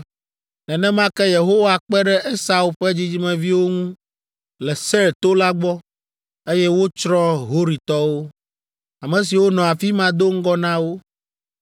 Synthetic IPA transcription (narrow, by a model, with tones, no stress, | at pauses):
nɛ̃˨nɛ̃˦mã˦kɛ˦je˨ɦo˦wa˨k͡pɛ˦ɖɛ˦ʔe˦sa˨u˦ɸɛ˦d͡ʑi˦d͡ʑi˦mɛ̃˨vi˦wo˦ŋũ˦ | lɛ˨sɛ˦ɾt̪o˦la˦ɡ͡bɔ˦ | e˦jɛ˦wo˦t͡ʃɾɔ̃˦ɦo˦ɾi˨t̪ɔ˦wo˦ | a˨mɛ̃˨s̬i˨wo˦nɔ̃˨a˨fi˦mã˦d̪o˦ŋ̩˦ɡɔ˦nã˦wo˦